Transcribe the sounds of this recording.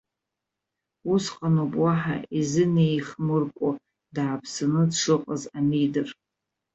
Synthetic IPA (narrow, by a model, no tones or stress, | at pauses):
usqʼanopʼwaħa̰izɨnejχmɨrkʷʼo | daːpʰsɨnɨdʂɨqʼazamijdɨr